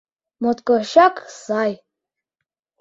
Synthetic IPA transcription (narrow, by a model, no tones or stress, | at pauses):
mot̪kʼɔʃakʼsaj